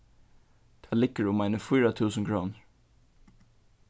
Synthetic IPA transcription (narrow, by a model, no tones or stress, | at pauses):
d̪̥ʰɑːlɪkəɾʊmæɪnəfɔːɾɑt̪ʰʉːsən̩kʰɹuːnɹ